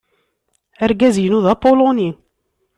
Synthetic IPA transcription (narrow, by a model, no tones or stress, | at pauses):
æɾɡæzjənuðɑpolonin